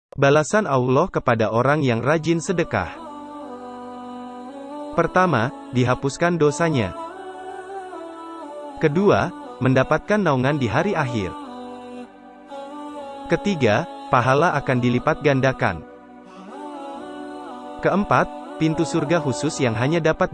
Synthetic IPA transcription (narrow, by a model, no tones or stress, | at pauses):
balasanaulɔhkəpadaʔoɾaŋjaŋrad͡ʒɪnsədəka̰h | pərt̪ama | diɦapuskandosaɲa̰ | kəduaməndapat̪̚kanːauŋandiɦaɾiaɦɪ̰r | kət̪iɡapaɦalaʔakandilipat̪̚ɡandaka̰n | kəəmpat̪̚pint̪usurɡaɦusʊsjaŋɦaɲadapat̪̚